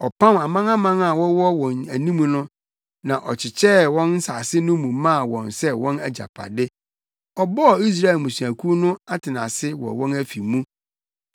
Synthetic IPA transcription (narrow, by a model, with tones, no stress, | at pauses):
ɔ˨pʰã˦ma˨mã˦ŋa˦mã˦ŋa˨wɔ˦wɔ˦wɔ̃˨næ˨nĩ˦mũ˦nʊ̃˦ | nã˨ʔɔ˨t͡ɕʰɪ˨t͡ɕʰɛ˦wɔ̃˦nn̩˦sa˨sɪ˦nʊ̃˦mũ˨mã˦˨wɔ̃˨nsɛ˦wɔ̃˦næ˨d͡ʑa̰˨pʰa̰˨dɪ˦ | ɔ˨bɔ˦˨i˦s̬ɾa˦e˨lmũ˨su˨æ˨kʰu˦nʊ̃˦a˦tʰɪ˨nã̰˨sɪ˦wɔ̰˨wɔ̃˦næ˦fi˨mũ˦